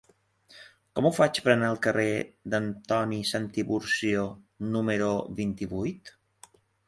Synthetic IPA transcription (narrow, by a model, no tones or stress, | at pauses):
kɔmufat͡ʃpɾənaəlˠkəred̪ənt̪ɔnisant̪iβuɾsionuməɾuβint̪iβujt̪